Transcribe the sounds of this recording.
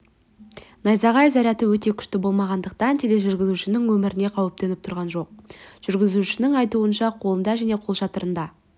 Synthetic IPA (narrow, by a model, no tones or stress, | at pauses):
nɑjzɑʁɑjzæɾæt̪ɪwɵt̪e̞kʲʰʏ̥ʃt̪ɪbo̞lˠmɑʁɑnd̪əq̚t̪ɑnt̪ʰe̞le̞ʒʏɾɡʲɪzuʃɪnɪŋwɵmɪɾʔɪne̞qʰɑwɪp̚t̪e̞nɪpt̪ʰʊɾʁɑnʒo̞q̚ʒ̥ʏɾɡʲɪzuʃɪnɪŋɑjt̪uənʃɑqʰo̞lˠənd̪ɑʒæne̞qʰo̞lˠʃɑt̪əɾənd̪ɑ